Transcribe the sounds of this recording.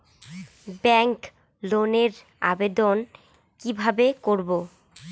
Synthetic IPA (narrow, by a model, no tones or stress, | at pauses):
bɛŋk | loneɾ | a̰bed̪on | kibʱabekoɾbo